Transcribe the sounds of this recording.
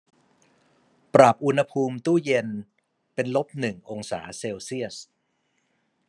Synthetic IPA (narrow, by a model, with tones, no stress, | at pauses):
pɾa˨˩p̚ʔu˧nha˧pʰuː˧mt̪uː˥˩je˧n | pe˧nlo˦˥p̚nɯ˨˩ŋʔo˧ŋsa̰ː˩˦seː˧wsi˥˩əs